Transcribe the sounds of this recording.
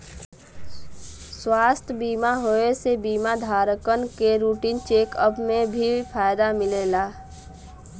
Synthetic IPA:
swaːst̪ʰbiːmaɦoesebiːmad̪ʱaːɾəkənkeɾuːʈiːnt͡ʃeːkəpmẽbʱipʰaːjd̪amɪleːlaː

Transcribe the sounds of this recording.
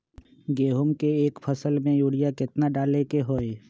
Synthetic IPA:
ɡeːɦʊmkeeːkpʰəsəlmẽjuːɽijakɪt̪naɖaːlekeɦoːe

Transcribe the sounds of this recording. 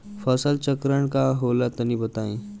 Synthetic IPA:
fəsəlt͡ɕəkɾəɳkaɦolat̪ənibət̪aĩ

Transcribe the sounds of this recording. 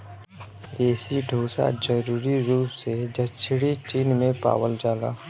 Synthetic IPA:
eːsiɖʱoːsa̰d͡ʒəɾuːɾiɾuːpsed͡ʒət͡ʃʰɽit͡ʃiːnmẽpa̰ːwəld͡ʒaːla̰ː

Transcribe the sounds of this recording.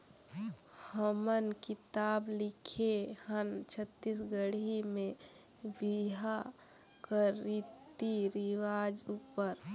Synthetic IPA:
həmənkɪt̪aːblɪkʰehənt͡ʃʰət̪ːis̬ɡəɽimẽ | biɦa | kəɾit̪iɾɪʋaːd͡ʒupəɾ

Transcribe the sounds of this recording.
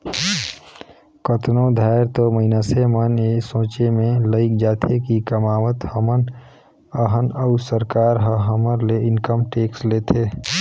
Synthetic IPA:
kət̪nõd̪ʱaːɪɾt̪oməɪnasemənesõːt͡ʃemẽləɪk̚d͡ʒaːt̪ʰekikəmaːʋət̪həmən | əɦənəʊsəɾkaːɾɦəɦəməɾleɪnkəmʈeːksleːt̪ʰeː

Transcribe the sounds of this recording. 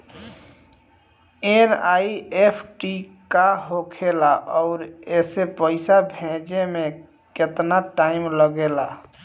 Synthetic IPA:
eɾaiepʰʈikaɦokʰelaʔɔʊɾesepəɪsabʱẽd͡ʒemẽ | ket̪naʈaimləɡela

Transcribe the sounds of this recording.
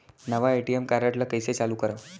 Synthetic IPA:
nəʋaeʈiemkaɾaʈlakəjset͡saluːkəɾaʋ

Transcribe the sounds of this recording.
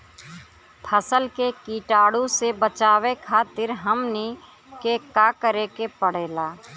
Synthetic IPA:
pʰəsəlkekiːʈaːɽũsebət͡ʃaːwekʰaːt̪ɪɾɦəmni | kekaːkəɾeːkepəɽ̤eːlaː

